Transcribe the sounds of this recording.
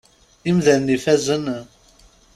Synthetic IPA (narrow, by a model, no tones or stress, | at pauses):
imðænnifæzən